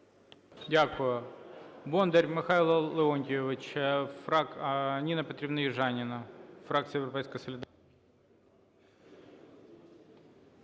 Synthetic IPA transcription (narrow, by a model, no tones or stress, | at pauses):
dʲakʊjʊbond̪ɐɾʲmɪxailˠɐlˠɪonʲtʲɪɪʋʲɪt͡ɕɐfɾaknʲinɐpɐt̪ʲɾʲɪbnɐjɪʐanʲɪnɐfɾakt̪sɨjɪvɾɐpʲɛjskəjsəlʲɪd̪a